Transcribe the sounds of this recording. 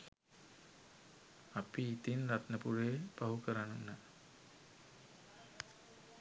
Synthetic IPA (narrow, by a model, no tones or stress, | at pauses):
apiːt̪inrat̪nəpuɾeːb̥aɦukəɾanunːə